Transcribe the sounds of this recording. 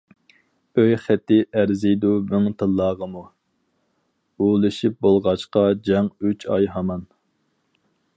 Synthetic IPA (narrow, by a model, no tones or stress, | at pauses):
øjχæt̪ːɪʔæɾzɪjd̪umyŋt̪ʰɨlˠːɑːʁəmu | ulˠɨʃip̚bolˠʁɑt͡ʃqɑd͡ʒɛŋyt͡ʃʰɑjɦɑmɑn